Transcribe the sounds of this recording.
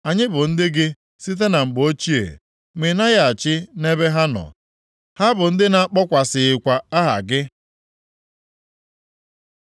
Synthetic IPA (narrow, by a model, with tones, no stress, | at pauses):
a˨ɲɪ˦bʊ˨n̩˦dɪ˦ɡɪ˦ | si˦t̬e˦na˨ŋ͡m̩˨ɡ͡bo˦t͡ʃi˦ḛ˨ | me˨na˦ɣa˨t͡ʃɪ˦ne˦be˦ɦa˦nɔ̰˨ | ha˦bʊ˨n̩˦dɪ˦na˦k͡pɔ˦kʷa˨sɪ˨ɪ˨kʷa˨a˦ɦa̰˨ɡɪ˦